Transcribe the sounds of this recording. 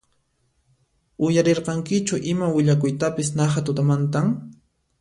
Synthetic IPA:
ʊjaɾeɾqɑŋkɪt͡ʃʊʔɪmawɪʎakʊjt̪apɪsnaχat̪ʊt̪amant̪aŋ

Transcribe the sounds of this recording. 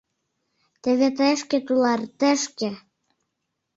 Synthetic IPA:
t̪ĕβet̪̬eʃkĕt̪ulɑrt̪eʃkĕ

